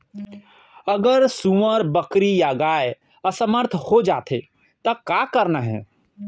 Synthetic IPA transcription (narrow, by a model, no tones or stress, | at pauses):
əɡəɾsuʋəɾbəkɾijaɡae | əsəməɾt̪ʰhod͡ʒaːt̪ʰḛ | t̪əkakəɾnaɦɛ̰̃